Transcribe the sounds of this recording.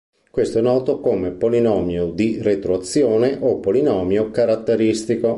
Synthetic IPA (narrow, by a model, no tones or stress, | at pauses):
kwest̪oɛnːɔːt̪okomepolinɔːmjod̪iret̪ɾoat̪sːjɔːneʔopːolinɔːmjokaɾat̪ːeɾist̪iko